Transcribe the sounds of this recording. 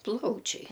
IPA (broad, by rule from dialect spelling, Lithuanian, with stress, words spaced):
ˈplˠɐʊt͡ʃʲɛɪ